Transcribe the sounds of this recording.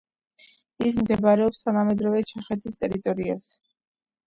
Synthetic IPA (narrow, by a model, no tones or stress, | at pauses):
is̬md̪ɛbaɾɛɔpst̪ʰanamɛd̪ɾɔvɛt͡ʃʰaχɛt̪ʰist̪ʼɛɾit̪ʼɔɾia̰s